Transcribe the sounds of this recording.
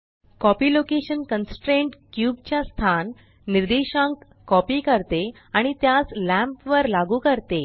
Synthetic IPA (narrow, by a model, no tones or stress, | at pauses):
kɔpiːlokeɕənkənsʈɾeɳʈkjuːb̚t͡ɕjast̪ʰanː | iɾd̪iɕãŋk | kɔpiːkəɾt̪e | aɽ̃it̪jaslæ̃mpʋəɾlaɡuːkəɾt̪e